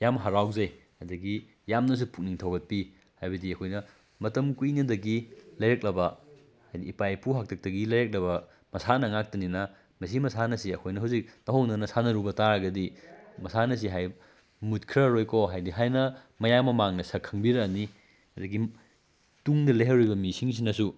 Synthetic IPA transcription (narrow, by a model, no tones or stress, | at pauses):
jamɦaɾawzɐj | ɐdɐɡi | jamnɐs̬upʰuk̚niŋtʰɐwɡɐt̚pi | hajbɐdiɐkʰojnɐ | mɐtɐmkujnɐdɐɡilɐjɾɐk̚lɐbɐ | hajdiːpajpuɦak̚tʰɐk̚tɐɡilɐjɾek̚lɐbɐ | mɐsanɐŋak̚tɐninɐ | mɐs̬imɐsanɐsiɐkʰojnɐɦawzik̚nɐɦoŋnɐnɐsanɐɾubɐtaɾɐɡɐdimɐsanɐs̬iɦaj | mut̚kʰɾɐɾojkʰoɦajdiɦajnɐ | mɐjamɐmaŋnɐsɐkʰɐŋbiɾɐni | ɐdɐɡi | tuŋdɐlejɦɐwɾijbɐmisiŋs̬inɐsu